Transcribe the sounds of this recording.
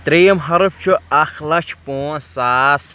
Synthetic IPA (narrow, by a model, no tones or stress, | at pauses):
t̪ɾiːmɦɐɾp̚t͡ʃʰuɐxlɐt͡ʃʰpoːsaːs